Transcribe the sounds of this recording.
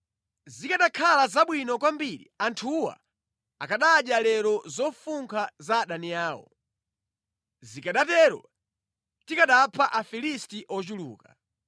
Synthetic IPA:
zikaɗakʰalazaɓwinɔkwambiɾḭantʰuwa̰ | akaɗaːɗjalɛɾɔzɔfuŋkʰazaɗaniaːwɔ̰ | zikaɗatɛɾɔ̰ | tikaɗapʰaʔafilistiʔɔt͡ʃulṵːka

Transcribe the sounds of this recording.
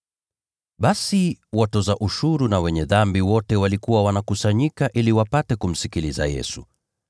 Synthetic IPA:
ɓasiwatɔzaʔuʃuɾunawɛɲɛðambiwɔtɛwalikuwawanakusaɲikaʔiliwapatɛkum̩sikiliza̰jɛ̰sṵ

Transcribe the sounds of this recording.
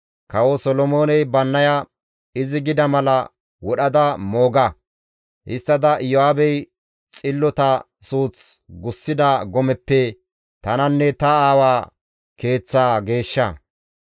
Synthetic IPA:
kɐwosɔlɔmo̞ːnɛjbɐnːɐjɐ | ɪzɪɡɪd̪ɐmɐlɐ | wɔɗɐd̪ɐmo̞ːɡɐ | ʔɪst̪ːɐd̪ɐʔjɔaːbɛj | t͡sʼɪlːɔt̪ɐ | suːt͡sɡʊsːɪd̪ɐɡɔmɛpːɛ | t̪ɐnɐnːɛt̪ɐaːwaː | ke̞ːt͡sːaːɡe̞ːʃːɐ̰

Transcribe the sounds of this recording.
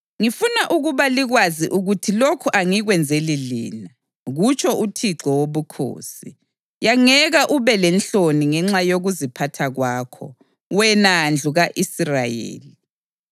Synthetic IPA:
ŋifunaʔuɣuβaliɣwaziʔuɣutʰilokʰuʔaŋiɣwɛnd͡zʱelilḭːna | ɣut͡ʃʰʼɔʔutʰiǁɔwoβukʰo̰ːsi | jaŋɛɣaʔuβɛlɛnɬoniŋɛŋ͡ǁajoɣuzipʰatʰaɣwaːkʰɔ̰ | wɛnand͡ɮʱuɣaʔisrajḛːli

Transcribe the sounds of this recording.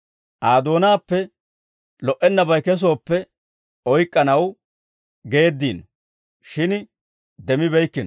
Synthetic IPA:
ʔaːd̪o̞ːnaːpːɛ | lɔʔɛnːɐbɐjkɛs̬o̞ːpːɛ | ɔjkʼːɐnɐw | ɡe̞ːd̪ːiːn | ʃɪn | d̪ɛmɪβɛjkːɪnɔ

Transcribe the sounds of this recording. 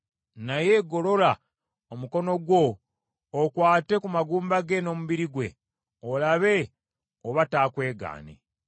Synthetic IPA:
naje̞ɡo̞lo̞la | omuko̞no̞ɡwo̞ː | kwaːte̞kumaɡuːmbaɡe̞no̞ːmuβiɾiɡwḛ | olaβe̞ | oβataːkwe̞ːɡa̰ːnḛ

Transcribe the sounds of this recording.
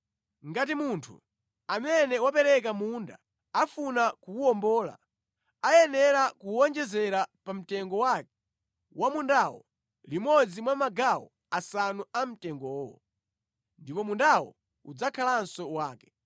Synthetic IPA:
ŋɡatimuntʰṵ | amɛnɛwapɛɾɛkamunda̰ | afunakuɔmbɔːla̰ | ajɛnɛɾakuɔnd͡ʒɛzɛɾapam̩tɛŋɡɔwak̚ɛ̥ | wamundawɔ̰ | limɔd͡zimwamaɡawɔ̰ | asanuam̩tɛŋɡɔːwɔ̰ | ndipɔmundawɔ̰ | ud͡zakʰalansɔwaːkɛ

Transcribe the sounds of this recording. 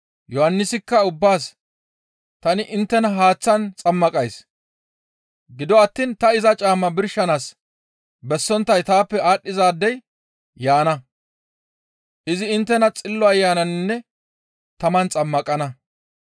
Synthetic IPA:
jɔhɐnːɪsɪkːɐʊbːaːs | t̪ɐnɪʔɪnt̪ːɛnɐɦaːt͡sːɐnt͡sʼɐmːɐkʼɐjs | ɡɪd̪ɔɐt̪ːiːnt̪ɐɪzɐt͡ʃʼaːmːɐbɪɾʃɐnaːs | bɛsːɔnt̪ːɐjt̪aːpːɛaːɗːɪzaːd̪ːɛj | jaːnɐ | ʔɪzɪɪnt̪ːɛnɐt͡sʼɪlːɔɐjːaːnɐnnːɛ | t̪ɐmɐnt͡sʼɐmːɐkʼɐnɐ

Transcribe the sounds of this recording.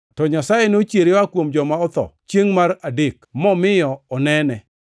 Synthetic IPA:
tɔɲasajɛnot͡ʃjeɾewakwomd͡ʒɔmaɔt̪ɔ̰t͡ʃjeŋmaradekmɔmɪjɔɔnɛnɛ

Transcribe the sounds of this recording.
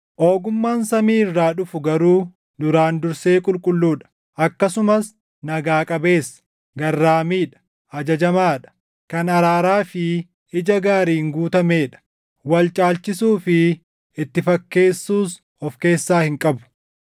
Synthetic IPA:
ʔoːɡʊmːaːnsɐmiːɪrːaːᶑʊfʊɡɐɾuː | d̪ʊɾaːnd̪ʊɾseːkʼʊlkʼʊlːuːᶑɐ̥ | ʔɐkːɐsʊmɐs | nɐɡaːkʼɐbe̞ːs | ɡɐrːaːmiːᶑɐ̥ | ʔɐd͡ʒɐd͡ʒɐmaːᶑɐ̥ | kɐnɐɾaːɾaːfɪ | ɪd͡ʒɐɡaːɾiːŋɡuːt̪ɐmeːᶑɐ̥ | wɐlt͡ʃʼaːlt͡ʃɪsuːfɪ | ɪt̪ːɪfɐkːe̞ːsːuːs | ɔfke̞ːsːaːhɪŋkʼɐbʊ̥

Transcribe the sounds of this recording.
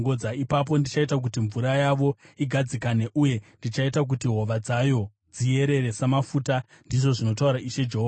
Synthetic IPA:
ŋɡod͡zaipap̬o̞ndit͡ʃaitak̬utiɱvuɾajaʋo̞iɡʱad͡zikaneʔuje̞ndit͡ʃaitak̬utiɦo̞ʋad͡zajo̞ | d͡zie̞ɾe̞ɾe̞samafuta | ndiʐo̞ʐino̞tauɾaʔiʃe̞d͡ʒe̞ɦoa

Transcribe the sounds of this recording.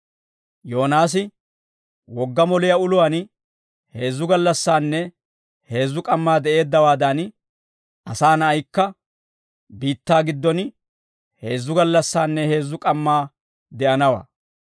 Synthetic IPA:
jo̞ːnaːs̬ɪ | wɔɡːɐmɔlɪjɐʊlʊwan | he̞ːzːʊɡɐlːɐsːaːnːɛ | he̞ːzːʊkʼɐmːaːd̪ɛʔe̞ːd̪ːɐwaːd̪ɐn | ɐsaːnɐɐjkːɐ | biːt̪ːaːɡɪd̪ːɔn | he̞ːzːʊɡɐlːɐsːaːnːɛhe̞ːzːʊkʼɐmːaː | d̪ɛʔɐnɐwa̰ː

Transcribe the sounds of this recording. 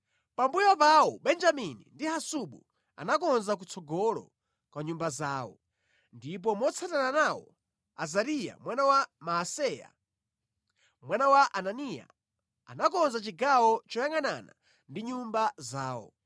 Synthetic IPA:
pambujɔpawɔɓɛnd͡ʒaminḭndihasuɓṵ | a̰nakɔnzak̬ut͡sʰɔɡɔlɔ̰ | kwaɲumbazaːwɔ | ndip̬ɔmɔt͡sʰatananawɔ | azaɾija̰mwanawamaasɛja̰ | mwanawaʔananija̰ | anakɔnzat͡ʃiɡawɔt͡ʃɔjaŋana̰na̰ | ndiɲumbazaːwɔ̰

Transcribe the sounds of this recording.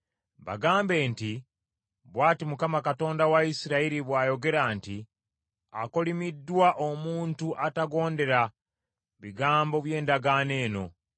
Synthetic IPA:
βa̰ɡaːmbe̞ːnti | βwaːtimukamakato̞ːndawaisiɾaiɾiβwaːjo̞ɡe̞ɾanti | a̰ko̞limidːwaʔomuːntuʔataɡo̞ːnde̞ɾa | βiɡaːmbo̞βje̞ːndaɡane̞ːno̞̰

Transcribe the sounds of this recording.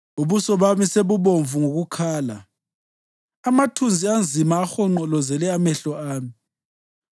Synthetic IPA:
uβusɔβamiseβuβoɱvuŋoɣukʰaːla̰ | matʰund͡zʱiand͡zʱimaːxɔŋ͡ǃɔlɔzɛlɛamɛɬɔaːmi

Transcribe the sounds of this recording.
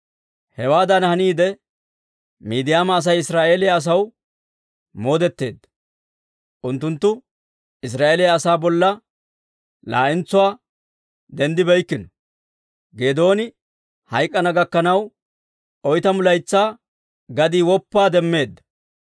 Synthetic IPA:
hɛwaːd̪ɐnhɐniːd̪ɛ | miːd̪ɪjaːmɐːs̬ɐjɪsɾaːʔe̞ːlɪjaːs̬ɐw | mo̞ːd̪ɛt̪ːe̞̰ːd̪ːɐ̥ | ʔʊnt̪ːʊnt̪ːʊ | ɪs̬ɾaːʔelɪjɐːsaːbɔlːɐ | la̰ːʔɪnt͡sːʊwaː | d̪ɛnd̪ɪbɛjkːɪnɔ | ɡe̞ːd̪o̞ːnɪ | hɐjkʼːɐnɐɡɐkːɐnɐw | ʔɔjt̪ɐmʊlɐjt͡sːaː | ɡɐd̪iːwɔpːaːd̪ɛmːe̞ːd̪ːɐ̥

